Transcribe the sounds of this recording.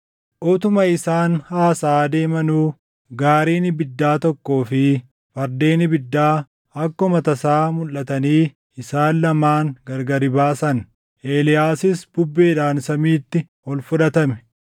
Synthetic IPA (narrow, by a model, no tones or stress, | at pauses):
ʔɔt̪ʊmɐɪsaːnhaːsaːd̪e̞ːmɐnuː | ɡaːɾiːnɪbɪd̪ːaːt̪ɔkːo̞ːfɪ | fɐɾd̪e̞ːnɪbɪd̪ːaː | ɐkːɔmɐt̪ɐsaːmʊlːɐt̪ɐniː | ɪsaːnlɐmaːŋɡɐɾɡɐɾɪbaːsɐn | ʔeːlɪjaːsɪsb̥ʊbːeːᶑaːnsɐmiːt̪ːɪ | hɔlfʊᶑɐt̪ɐmɛ̥